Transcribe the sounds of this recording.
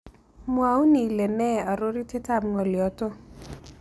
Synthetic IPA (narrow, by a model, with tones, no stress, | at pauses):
mwa˨˦u˦ni˨le˨nɛ˦a˨ɾo˦ɾi˦te˦ta˦˨mŋɔ˨ljɔ˨to˦